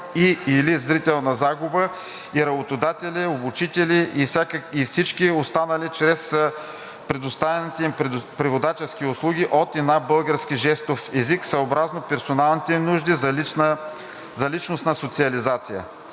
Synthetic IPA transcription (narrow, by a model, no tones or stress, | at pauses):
iilizɾit̪ɛlˠnɐzaɡʊbə | iɾɐbot̪od̪at̪ɛlʲiobut͡ʃit̪ɛliʔfsʲakifsit͡ʃkiost̪anɐlit͡ʃɾɛs | pɾɛd̪ʊst̪avɛnit̪ipɾivod̪at͡ʃɛskiʊslˠuɡʲiʔot̪ɛnabɤlˠɡəɾskiʒɛst̪ofɛziksɐobɾaznopɛɾsonalˠnit̪ɛnuʒd̪izɐln | zɐlit͡ʃnosnɐsot̪siɐlizat̪sijə̰